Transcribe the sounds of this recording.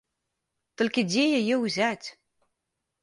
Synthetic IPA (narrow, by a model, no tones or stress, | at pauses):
t̪ɘ̆lʲkʲɘ̆d̪ʲejɘjĕuzæt̪ʲ